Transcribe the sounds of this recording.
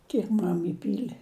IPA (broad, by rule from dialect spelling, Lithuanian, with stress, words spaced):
ˈkʲiɛk ˈmɐm ɪˈpʲiːlʲɪ